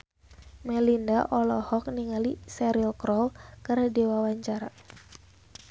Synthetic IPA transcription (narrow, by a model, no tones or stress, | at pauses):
mɛlindaʔɔlɔhɔk̚niŋalisɛɾilkɾɔlkaɾadewawaɲt͡ʃaɾa